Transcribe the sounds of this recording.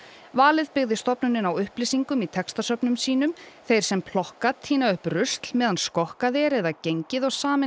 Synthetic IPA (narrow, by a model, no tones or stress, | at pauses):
vaːlɪðpɪɣðɪst̪ɔpnʏnɪnawʏhplɪːsiŋkʏmit̪ʰɛkst̪asœpnʏmsiːnʏmθejɾ̥sɛmpʰlɔhkat̪ʰiːnaʏhprʏst̪l̥mɛːðanskɔhkaðɪɾɛðaceɲcɪðɔɣsaːmɪ